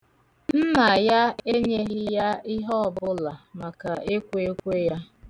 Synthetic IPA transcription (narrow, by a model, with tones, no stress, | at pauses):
m̩˦na˨ja˦e˦ɲe˦ɣɪ˦ja˦ɪ˦ɦɔ˦ɔ˨bʊ˦la˨ma˨ka˨e˦kʷe˦kʷe˦ja˦